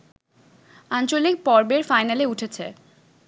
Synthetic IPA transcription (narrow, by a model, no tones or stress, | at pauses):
ant͡ɕolik̚pɔɾbeɾfajnaleuʈʰet͡ɕʰe